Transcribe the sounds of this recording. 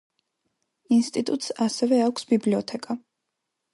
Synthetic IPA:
inst̪ʼit̪ʼut̪ʼsasɛvɛakʷʰsbibliɔt̪ʰɛkʼa

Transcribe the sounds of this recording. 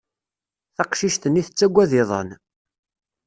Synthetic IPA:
θɑqʃiʃt̪ənːiθət͡sːæɡʷːæðɪðˤə̰n

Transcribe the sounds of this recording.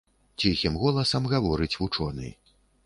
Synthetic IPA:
t͡sʲixʲimɣɔlˠɐsɐmɣavɔɾɨt͡sʲvut͡ʂɔnɨ̰

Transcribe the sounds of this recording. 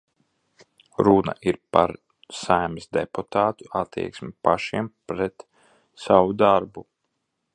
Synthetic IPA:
ɾuna̰ʔiɾpa̰ɾ | sajmisd̪ɛput̪aːt̪u̥at̪ːḭɛksmipaʃiɛmpɾɛt̪ | sawud̪aɾbu

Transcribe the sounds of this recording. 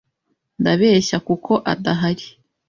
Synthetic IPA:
ndaβe̞ːɕakukʰo̞ʔadaɦaɾi

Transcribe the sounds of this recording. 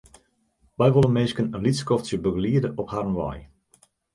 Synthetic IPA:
ʋɛjʋolənmeːskənənlitskɔftsjəbøɡəliədəʔɔphaɾənʋɔ̰j

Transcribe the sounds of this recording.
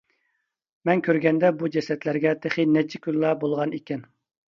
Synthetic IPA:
mɛnkʲʰøɾɡʲɛnd̪ɛbud͡ʒɛsɛt̪læɾɡʲɛt̪ʰeχinɛt͡ʃʰːikʲʰyllˠɑbolˠʁɑnekʲɛn

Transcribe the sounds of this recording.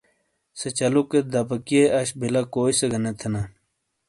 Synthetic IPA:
sɐt͡ɕɐluked̪ɐbɐkieʔɐɕbilakoːisɐɡɐnɐt̪ʰena

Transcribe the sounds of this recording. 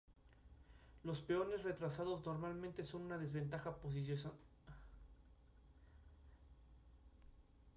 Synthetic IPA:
lo̞spe̞o̞ne̞sre̞t̪ɾasaðo̞zno̞ɾmalmẽnt̪e̞so̞nũnaðe̞zβe̞nt̪axapos̬is̬joso

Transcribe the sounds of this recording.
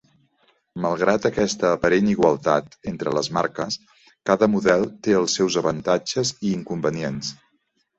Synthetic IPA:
məlˠɣ̞ɾat̪əkɛst̪əːpəɾeniɣwəlˠt̪a̰t̪ent̪ɾələzmaɾkəs | kaðəmuðɛlˠt̪eəlˠsːɛwzəβənt̪ad͡ʒəziːŋkumbəniens

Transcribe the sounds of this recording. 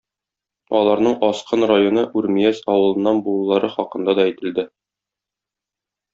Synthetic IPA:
ɒlˠɑɾnɤɴɒsqɤnrajonɤʔʉɾmijæsɒwɤ̆lˠɤ̆nːɑnbulˠlˠːɑɾɤχɒqɤ̆nd̪ɑd̪ɒæjt̪ɘ̆ld̪ɘ

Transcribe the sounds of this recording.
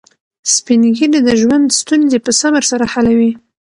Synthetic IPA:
spinɡilid̪əʒwand̪st̪unzepəsaməɾsaɾahalawi

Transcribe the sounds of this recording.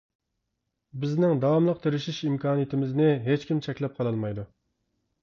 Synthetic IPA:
bɪznɪŋd̪ɑwɑmlˠəq̚t̪ʰeɾɪʃiʃimkʰɑːnijit̪ʰɪmɪznɪɦet͡ʃkʲimt͡ʃʰɛkʲlɛp̚qʰɑlˠɑlˠmɑjd̪u

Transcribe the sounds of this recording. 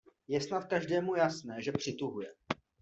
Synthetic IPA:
jɛsnat̪̚kaʒdɛːmujasnɛːʒɛpr̝̥ɪt̪uɦujɛ

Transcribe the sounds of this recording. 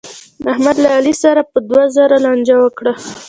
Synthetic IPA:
ahmad̪laːlisaɾapəd̪wazaɾalɑnd͡ʒawəkɽa

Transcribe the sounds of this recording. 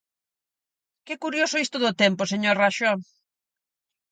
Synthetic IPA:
kɛkuɾjosʊist̪oðot̪ɛmposeɲoɾraʃɔ

